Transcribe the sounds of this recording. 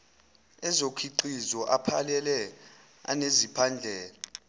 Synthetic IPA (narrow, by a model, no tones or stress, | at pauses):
ɛzokʰiǃizɔʔapʰalɛlɛ | a̰nezipʰand͡ɮʱɛːla